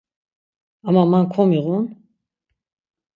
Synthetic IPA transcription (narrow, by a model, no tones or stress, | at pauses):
amamankʰɔmiʁun